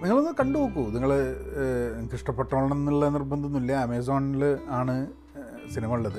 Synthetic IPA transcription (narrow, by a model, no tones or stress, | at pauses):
niŋːɐɭonːɨkɐɳɖuokːuniŋːɐɭ | kiʂʈɐpːeʈːoːɭnɐnːiɭːɐenirbɐnd̪ʱunːuilːɐɐmeːs̬oːnilɨaːɳɨ | sinimɐuɭːɐðɨ